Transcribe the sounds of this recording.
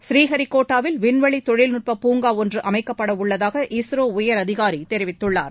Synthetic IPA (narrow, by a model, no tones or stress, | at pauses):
sɾiːɦɐɾikoːʈːaːʋɪlʋɪnʋɐɭit̪ɔɻɪlnʊʈ̚pɐpːuːŋɡaːɔndrɯʔɐmɐɪkːɐpːɐɽɐʊɭːɐðaːɣɐʔisɾoːʊjɐɾɐðɪɣaːɾit̪ɛɾɪʋɪt̪ːɯɭːa̰ːɾ